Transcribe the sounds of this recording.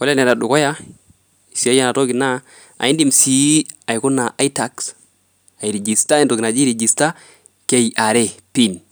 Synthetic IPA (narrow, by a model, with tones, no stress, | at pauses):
ko˦le˦ne˨ɾa˨du˨ko˦ja˦ | i˨si˨a˦ja˦na˨to˦ki˨na˦ | a̰˨i˦ndi˦˨msi˨˦a˨i˨ku˦na˨ʔa˦i˦ta˨ks | a˨i˨ɾe˨d͡ʒi˨sta˦i˦ndo˨ɡna˨d͡ʒi˦ɾe˨d͡ʒi˨sta˦ | ke˨ja˨ɾe˦pi˦n